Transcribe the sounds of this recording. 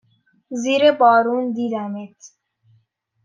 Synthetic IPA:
ziːɾebɒːɾuːnd̪iːd̪æmit̪ʰ

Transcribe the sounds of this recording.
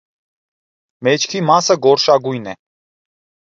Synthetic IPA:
mɛt͡ʃʰkʰimasəɡɔɾʃɑɡujnɛ

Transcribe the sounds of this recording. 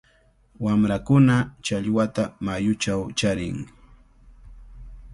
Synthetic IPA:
wamɾakʊnat͡ʃaʎwat̪amajʊt͡ʃawt͡ʃaɾɪ̰ŋ

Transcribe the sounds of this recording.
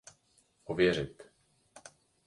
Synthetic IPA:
ʔɔvjɛɾ̝ɪt̪

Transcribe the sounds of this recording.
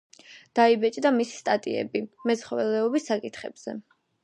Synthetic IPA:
d̪̥aibɛt͡ʃʼd̪amisi̥st̪ʼat̪ʼḭɛ̰bimɛsχɔvɛlɛɔbisːakʼit̪ʰχɛ̰b̥z̥ɛ

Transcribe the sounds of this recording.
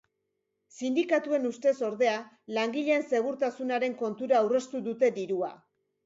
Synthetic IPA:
sind̪ikat̪ue̞nust̪e̞so̞ɾð̞e̞a | laŋɡiʎe̞ːnse̞ɣ̞uɾt̪asunaɾe̞ŋko̞nt̪uɾaːwre̞st̪uðut̪e̞d̪iɾua̰

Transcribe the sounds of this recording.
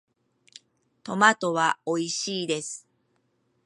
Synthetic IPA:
t̪o̞mat̪o̞βao̞iɕiːd̪e̞sɨ̥

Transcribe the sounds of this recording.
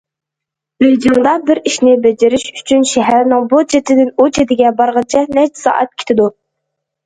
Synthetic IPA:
ɾed͡ʒimd̪ɑbɪɾiʃnɪbɛd͡ʒeɾɪʃy̥t͡ʃʰynʃɛɦæɾnɪŋbut͡ʃʰet̪ʰɪd̪ɪnut͡ʃʰet̪ɪɡʲɛbɑɾʁɑnt͡ʃʰɛnɛt͡ʃʰsɑ̰ːʔɛ̰t̪̚kʲʰe̥t̪ʰɪd̪u

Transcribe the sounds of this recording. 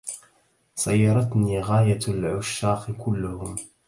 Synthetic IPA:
sˤɑjːɑɾˤɑt̪niːɣaːjalʕʊʃːɑːqkʊlːʊhʊm

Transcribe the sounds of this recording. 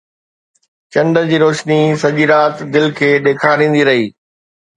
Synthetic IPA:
t͡ɕɐ̃nɖəd͡ʑiːɾoːʃnisɐʄiɾaːt̪d̪ɪlkʰeːɗeːkʰaɾĩːn̆d̪iɾɐɦiː

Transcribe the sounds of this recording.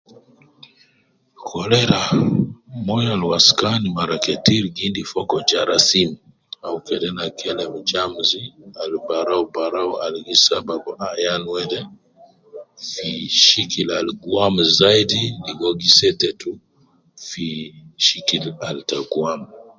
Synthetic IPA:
kʰɔlɛɾa | mɔjalwaskanimaɾakɛtiɾiɡindifɔkɔd͡ʒaɾasim | aukɛdɛnakʰɛlɛmut͡ʃamzialbaɾaubaɾawa̰lɡisabaɡɔajanwɛdɛ | fiʃikilalɡuamzaidiniɡɔɡisɛtɛtu | fiʃikilaltaɡuamu

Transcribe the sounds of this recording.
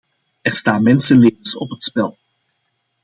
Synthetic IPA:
ɛɹstaːnmɛnsəleːvənsɔpɦətspɛlˠ

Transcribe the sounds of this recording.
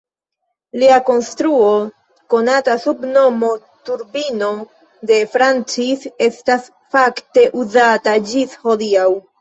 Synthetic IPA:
liako̞nstɾuo̞ | ko̞natasubno̞mo̞ | tuɾbino̞ | de̞fɾant͡sise̞stas | fakte̞ʔuzatad͡ʒisho̞diaw

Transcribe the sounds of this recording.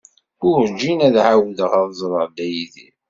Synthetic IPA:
ʊɾd͡ʒinæðʕawðəʁaðˤzˤɾˤəʁd̪æjiθḭ

